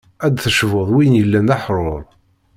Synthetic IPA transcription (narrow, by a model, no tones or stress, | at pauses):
æd̪θəʃvʊðˤwijnjəlːænaħɾˤoɾˤ